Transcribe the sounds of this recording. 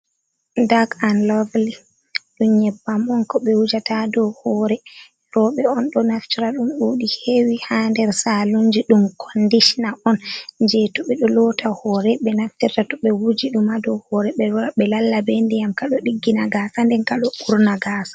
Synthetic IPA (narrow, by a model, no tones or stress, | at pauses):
daɡanlavli | ɗunɲɛbːamɔnkɔɓɛwud͡ʒatadɔhɔɾɛ | lɔɓɛɔnɗɔnaftiɾaɗumɗuɗihewihandɛɾsaluɲd͡ʒiɗumkʰɔndiʃinaʔɔnɲd͡ʒɛtɔɓɛɗɔlɔtahɔɾɛɓɛnaft͡ʃiɾtatɔɓɛwud͡ʒiɗumadɔhɔɾɛɓɛaɓɛlalːabendɛjamkaɗɔɗiɡːinaɡaːsandɛnkaɗɔkuɾnaɡaːsḁ